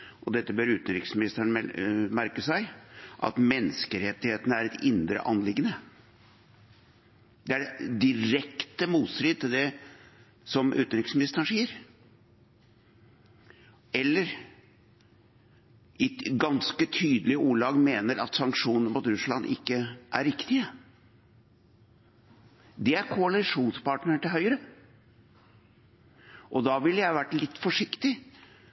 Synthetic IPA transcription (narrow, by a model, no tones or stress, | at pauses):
ʔɔd̪ɛt̪ːəbøːɾʉːt̪ənɾɪksmɪnɪst̪əɳɛmæɾkəsæɪʔɑ̰t̪mɛnskəɾɛt̪ːɪheːt̪ənəæɾɛt̪ɪnd̪ɾə̰ʔɑnlɪɡːənə | d̪ɛæɖɛd̪ɪɾɛkt̪əmuːt̪sɾiːd̪̚t̪ɪld̪ɛ | sɔmʔʉ̰ːt̪nɾɪksmɪnɪst̪əɳʂiːəɾ | ɛlːəɾ | ɪɡɑnskət̪ʰyːd̪əlɪəuːɭɑːɡmeːnəɾɑ̰t̪sɑŋkʂuːnəmuːt̪ɾʉslɑnʔɪ̰kːəʔæ̰ɾɪkt̪ɪə | d̪ɛæɾkʰʊɑlɪʂuːnspɑʈnəʈɪlɦœʏəɾə | ʔɔd̪ɑʋɪlːəjæɪʋæʈlɪt̪ːfɔʂɪkt̪ɪ